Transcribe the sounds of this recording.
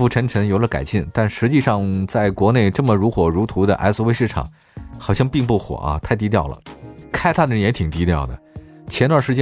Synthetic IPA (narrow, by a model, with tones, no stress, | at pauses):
u˧˥˩ʈ͡ʂʰə˧˥nʈ͡ʂʰə˧˥ŋjo˨˩ʊlə˧ka̰˨˩ɪɕi˥˩nt̪a˥˩nʂɻ̩˧˥t͡ɕi˥˧ʂɑ˥˧ŋt͡sa˥˩ɪkwɔ˧˥ne˥˧ɪʈ͡ʂɤ˥˩mə˩ɻu˧˥xwɔ˧˥ɻu˧˥t̪ʰu˧˥d̪ə̰˧ʔa̰˧˥ɪsu˧we˥˧ɪʂɻ̩˥˩ʈ͡ʂʰɑ̰˨˩˦ŋ | xɑ˨˩ʊɕjɑ˥˧ŋpi˥˧ŋp̬u˥˩xwɔ̰˨˩ʔɐ̰˧t̪ʰa˥˩ɪt̪̬i˥t̪jɑ˥˩ʊlə̰˩kʰa˥ɪt̪ʰa˥˩d̪əɻə˧˥njɛ˧˥t̪ʰi˨˩ŋt̪i˧˥t̪jɑ˥˩ʊd̪ə̰˩t͡ɕʰjɛ˧˥nt̪wa˥˩ʂɻ̩˧˥t͡ɕɛ˥